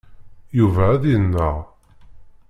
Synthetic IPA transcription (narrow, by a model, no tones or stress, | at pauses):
juvææðiənːəʁ